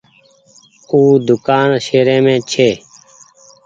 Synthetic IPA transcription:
uːd̪ʊkaːnʃeːɾẽːmẽːt͡ʃʰeː

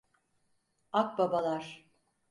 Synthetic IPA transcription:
ak̚babalˠaɾ̥

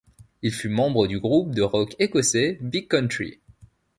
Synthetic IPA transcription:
ilfymɑ̃bʁəd̪yɡʁup̚d̪əʁɔkekɔsebikkːɔ̃nt̪χḭ

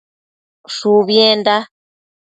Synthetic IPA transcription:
ʃuβjenda

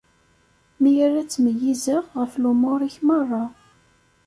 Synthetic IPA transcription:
mijaræt͡sːməjːizəʁʁəflumoɾˤiçmɑrˤːɑ

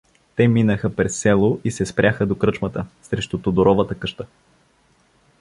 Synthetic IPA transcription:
t̪ɛminəxəpɾɛsːɛlˠʊʔisɛspɾjaxəd̪okɾɤt͡ʃmət̪əsɾɛʃt̪ʊt̪od̪oɾɔvət̪əkɤʃt̪ə

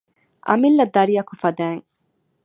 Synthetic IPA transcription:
ʔɐ̰milːɐd̪ɐɾijɐkufɐd̪æːŋ

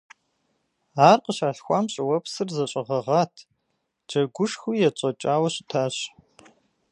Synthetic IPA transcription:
aːrqəɕaːɬxʷaːmɕʼɪwɐpsɨrzɐɕʼɐʁɐʁaːtʰ | d͡ʒɐɡʷʊʂxujɛt͡ʃʷʼɐt͡ʃʼaːwɐɕʼɪtʰaːɕ

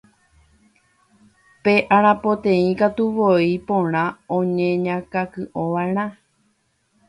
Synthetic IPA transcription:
pe̞ʔaɾ̃ãpõt̪ẽĩkat̪uʋoipõɾ̃ãõɲẽɲãkakɨʔõʋaeɾ̃ã

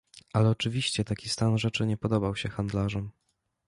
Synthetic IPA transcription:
ʔalɛɔt͡ʂɘvʲiɕt͡ɕɛt̪akʲist̪anʐɛt͡ʂɘɲɛpɔd̪ɔbawɕɛxand̪laʐɔm

